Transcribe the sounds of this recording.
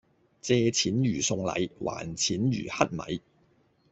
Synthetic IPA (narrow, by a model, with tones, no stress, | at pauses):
t͡sɛː˧t͡sʰiː˨˥njyː˨˩sʊ˧ŋlɐ̰˨˧jwʔa̰ː˨˩nt͡sʰiː˨˥njy̰ː˨˩hɐ˥t̚mɐ̰˨˥j